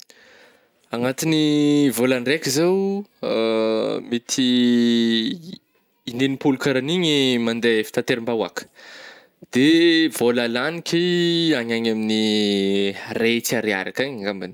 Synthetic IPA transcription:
aŋat̪inivolanrekʲizew̰ | mit̪ʰi | nenipulukaɾaniɲimand̪efi̥t̪at̪eɾimbawa̰kə̥ | d̪̥evolalanikʲiaɲaɲamini | ret͡saɾea̰ɾakaɲaŋɡambani̥

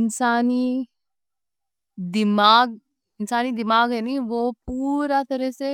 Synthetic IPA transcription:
ɪnsaːniː | d̪ɪmaːɡ̚ | ɪnsaːnid̪ɪmaːɡɦɛniʋoːpuːɾat̪əɾəse

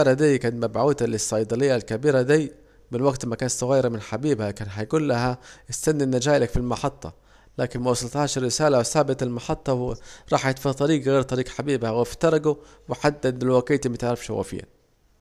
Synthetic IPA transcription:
aɾad̪ijːkant̪mabʕuːt̪lɪsːɑjd̪ˤɑlɪjːalkabiːɾad̪iː | mɪnwaɡt̪makaːnt̪sˤʊɣajːɪɾamɪnħabiːbhakaːnɦajɡuːlːaɦaʔɪst̪anːinːad͡ʒaːjlakfilmɑħɑt̪ˤːɑ̰ | laːkɪnmawɑsˤɑlt̪haːʃrːɪsaːlawsaːbɪt̪ɪlmɑħɑt̪ˤːɑwɾˤɑːħʔɪt̪fɑt̪ˤɑɾiːɡɣeːɾt̪ˤɑɾiːɡħabiːbhaɣft̪ɑɾˤɑɡu | wɪħad̪ːad̪lwaɡiːt̪ɪmat̪ʕɾɪfʃhwa̰fɪ̰jːa̰n

